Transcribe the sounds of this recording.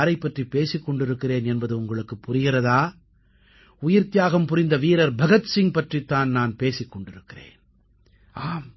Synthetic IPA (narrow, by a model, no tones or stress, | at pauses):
ɾɐɪpːɐʈripːeːsɪkːɔɳɖɪɾɯkːɪɾeːnɛnbɐðɯʊŋɡɐɭɯkːɯpːʊrɪɣɪɾɐðaː | ʊjɪɾt̪ɪjaːɣɐmpʊɾɪnd̪ɐʋiːɾɐɾbʱɐɣɐt̪sɪŋpɐʈrit̪ːaːnnaːnpeːsɪkːɔɳɖɪɾɯkːɪrḛːn | aːm